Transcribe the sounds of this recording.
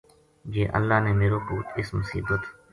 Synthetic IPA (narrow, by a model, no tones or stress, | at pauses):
d͡ʒeːʔə̰lːaːneːmeːɾoːkuːt̪ʰɪsmʊsḭːbət̪